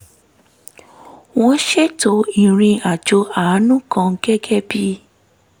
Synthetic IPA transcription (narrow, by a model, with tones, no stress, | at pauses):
w̃ɔ̃˦ʃe˦to˨˦i˨ɾ̃ĩ˧a˨d͡ʒo˧a˨˦nũ˦kã˧ŋ̩˦ɡɛ˦ɡɛ˦bi˦